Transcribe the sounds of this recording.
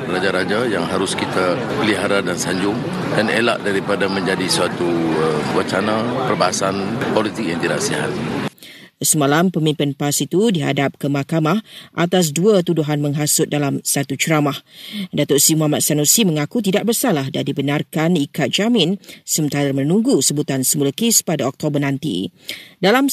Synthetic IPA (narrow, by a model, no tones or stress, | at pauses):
lad͡ʒaɾad͡ʒajaŋɦaɾʊskit̪a | pəliɦaɾadansaɲd͡ʒʊŋ | danela̰ʔdaɾipadamə̃ɲd͡ʒadisuat̪uəmwət͡ʃanãpərbaɦasanpolit̪ɪk̚jaŋt̪ida̰ʔsiɦa̰t̪̚ | səmãlampəmĩmpɪnpasit̪udiɦa̰dap̚kəmakamahʔat̪as̬duət̪uduɦanmə̃ŋɦasʊt̪̚dalamsat̪ut͡ʃəɾamahdat̪ʊʔsimuɦamat̪̚sanusiməŋakut̪̬idaʔ̚bərsalahdadibənarkanikat̪̚d͡ʒamɪ̃nsəmənt̪aɾamə̃nũŋɡusəbut̪ansəmulakespadaɔk̚t̪obərnant̪ḭdalam